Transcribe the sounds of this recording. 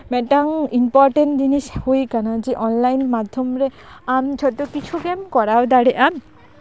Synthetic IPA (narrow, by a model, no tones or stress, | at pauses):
mɛʈaŋimpɔɾʈeɳʈd͡ʑiniʃhojkanad͡ʑeʔɔnlajnmad̪ʱːomɾeamd͡ʑʰʱɔt̪okit͡ɕʰuɡɛmkɔɾawd̪aɽeʔam